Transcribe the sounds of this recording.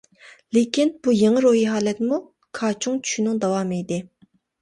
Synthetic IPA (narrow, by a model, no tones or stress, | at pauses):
lekʲʰinb̥ujeŋɨɾoɦiɦɑːlɛt̪mu | kʰɑːt͡ʃʰuŋt͡ʃʰy̥ʃynɨŋd̪ɑwɑːmejd̪ɪ